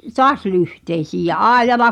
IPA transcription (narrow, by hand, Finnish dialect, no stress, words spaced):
toɑs lyhteisiːj jɑ ʔɑˑi̞jˑɑlɑ